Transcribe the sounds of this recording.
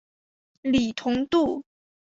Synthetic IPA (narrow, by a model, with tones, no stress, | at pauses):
li˨˩t̪ʰʊ˧˥ŋt̪u˥˩